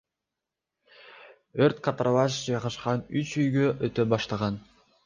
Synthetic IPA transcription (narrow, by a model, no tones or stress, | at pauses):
øɾt̪kat̪rʔavɑʃd͡ʒɑjʁɑʃqɑnyt͡ʃyjɡøʔøt̪øbɑʃt̪ɑʁɑn